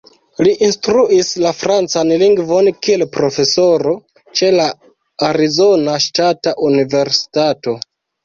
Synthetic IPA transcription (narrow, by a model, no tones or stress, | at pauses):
liʔinstɾuislafɾant͡sanliŋɡvo̞nkie̞lpɾo̞fe̞so̞ɾo̞ | t͡ʃe̞la | aɾizo̞naʃtataʔunive̞ɾsi̥tato̞